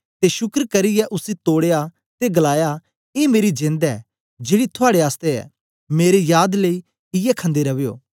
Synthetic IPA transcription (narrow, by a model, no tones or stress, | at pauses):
t̪eʃʊkəɾkɐɾɪjɛʔʊsit̪oːɽeja | t̪eɡɐlaːja | eːmeːɾid͡ʒẽːnd̪ɛː | d͡ʒeːɽit̪ʰʊaːɽeaːst̪eɛ̰ː | meːɾejaːd̪ləi | ɪjɛkʰə̃nd̪eɾɐʋejo̰ː